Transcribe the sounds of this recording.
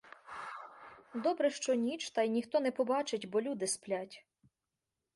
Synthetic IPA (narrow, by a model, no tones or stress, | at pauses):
d̪ɔbɾɛʃt͡ʃɔnʲit͡ʃt̪ɑjnʲixt̪ɔnɛpɔbɑt͡ʃɪtʲbɔlʲud̪ɪsplʲatʲ